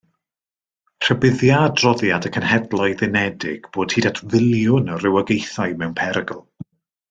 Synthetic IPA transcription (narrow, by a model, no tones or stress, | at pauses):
r̥əbɪðjadrɔðjadəkʰənhɛdlˠɔɨðɪnɛdɪɡ̥b̥oːd̥hiːdatʰvɪlˠjʊnərɪwəɡejθaɨmɛwnpʰɛɾɡəlˠ